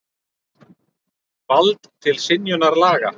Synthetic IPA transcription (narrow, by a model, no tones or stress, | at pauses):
palt̪t̪ʰɪlsɪnjʏnaɾlaːɣa̰